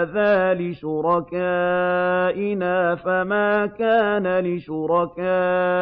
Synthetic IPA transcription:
ðaːlɪʃʊɾˤɑkaː | ʔɪnaːfamaːkaːnalɪʃʊɾˤɑkaː

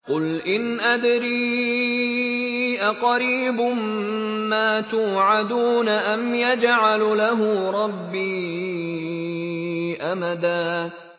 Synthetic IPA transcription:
qʊlʔɪnʔad̪ɾiː | ʔaqɑɾiːbʊm | maːt̪uːʕad̪uːnaʔamjad͡ʒʕallaɦʊɾˤɑbːiː | ʔamad̪aː

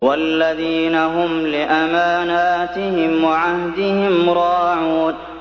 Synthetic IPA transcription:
walːaðiːnaɦʊmlɪʔamaːnaːt̪ɪhɪmwaʕahd̪ɪhɪmɾˤɑːʕuːn

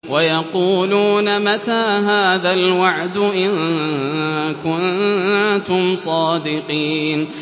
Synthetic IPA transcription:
wajɑquːluːnamat̪aːɦaːðalwaʕd̪ʊʔɪn | kʊn | t̪ʊmsˤɑːd̪ɪqiːn

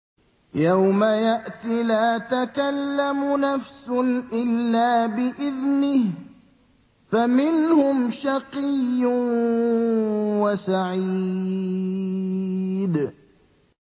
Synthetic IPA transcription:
jawmajaʔt̪ilaːt̪akalːamʊnafsʊnʔɪlːaːbɪʔɪðnɪh | famɪnhʊmʃɑqijːʊ | wasaʕiː | d̪

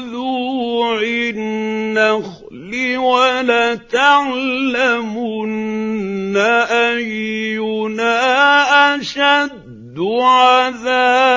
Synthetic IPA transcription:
ðuʕɪnːax | liwalaːt̪aʕlamʊnː | aʔajʊnaʔaʃadd̪ːʕaðaː

